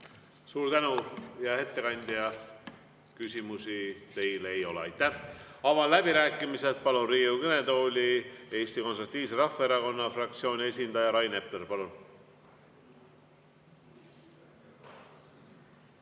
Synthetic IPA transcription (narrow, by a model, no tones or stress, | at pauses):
suːɾt̪ænujɑhe̞t̪ːe̞kɑnʲd̪̥jɑ | kysʲimusit̪e̞jlejo̞lḛɑ̰jt̪ˑːæhɑvɑnlæb̥iɾæːkːˑimise̞t̪̚pɑlunriːukøne̞d̪o̞ːlʲie̞ːsʲt̪iko̞nrut̪ːiːvs̬eɾɑfːɑeɾɑko̞nːɑfrɑk̚t̪sio̞ːnʲie̞s̬ʲind̪̥ɑjɑɾɑjne̞plerpɑlun